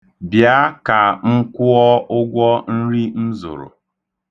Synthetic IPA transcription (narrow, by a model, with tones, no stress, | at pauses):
bja˦ka˨ŋ̩˦kʷʊ˦ɔ˦ʊ˦ɡʷɔ˦n̩˦ɾi˦n̩˦zʊ̰˨ɾʊ̰˨